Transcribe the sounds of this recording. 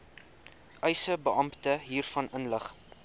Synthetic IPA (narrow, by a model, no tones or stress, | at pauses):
ʔœjsəbəʔɐmptəɦiːrfɐnʔənləχ